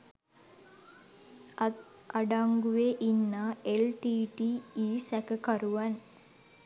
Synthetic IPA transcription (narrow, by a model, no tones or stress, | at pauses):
ɐɖaŋɡuʋeʔinːaːelʈiːʈiːiːsækɐkɐɾuʋɐn